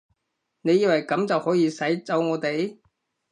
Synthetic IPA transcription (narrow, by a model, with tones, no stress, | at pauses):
ne˨˧jiː˧wɐ˨˩jkɐ˨˧˥mt͡sɐ˨whɔː˨˥jiː˨˧sɐ˨˥jt͡sɐ˨˥wŋɔː˨˧t̪e˨j